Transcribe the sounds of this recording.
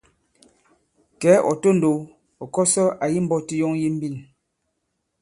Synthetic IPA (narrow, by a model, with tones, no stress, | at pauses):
kɛː˨˦ʔɔ̰˨to˦n̩˨do˨ | ɔ˨kɔ˦sɔ˦ʔa˨ji˦m̩˦bɔ˦ti˦jɔ˦ŋji˦m̩˦bi˦˨n